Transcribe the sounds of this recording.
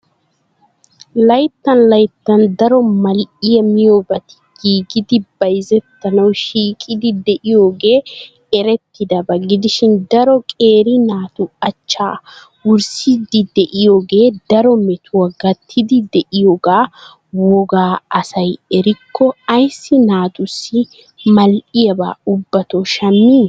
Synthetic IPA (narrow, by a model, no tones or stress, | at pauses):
lɐjt̪ːɐnlɐjt̪ːɐnd̪ɐɾɔmɐlʔɪjɐmɪjoːbɐt̪ɪ̥ɡ̥iːɡɪd̪ɪbɐjzɛt̪ːɐnɐwʃiːkʼɪd̪ɪd̪ɛʔɪjo̞ːɡe̞ː | ɛɾɛt̪ːɪd̪ɐbɐɡɪd̪ɪʃɪnd̪ɐɾɔkʼe̞ːɾɪnaːt̪ʊɐt͡ʃːaː | wʊɾsid̪ɪd̪ɛʔɪjoːɡe̞ːd̪ɐɾɔmɛt̪ʰʊwɐɡɐt̪ʰːɪd̪ɪd̪ɛʔɪjoːɡaː | wɔɡaːɐsɐjɛɾɪkʰːɔɐjsːɪnaːt̪ʊsːɪ | mɐlʔɪjɐba̰ːʊbːɐt̪oʃɐmːiː